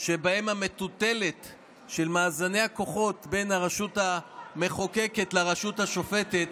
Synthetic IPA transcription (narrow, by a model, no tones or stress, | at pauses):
ʃebahemhame̞t̪ute̞le̞t | ʃe̞lmaːzane̞jako̞χo̞tbe̞jnaʁaʃutame̞χokeke̞tlaʁaʃuthaʃo̞fe̞tet̪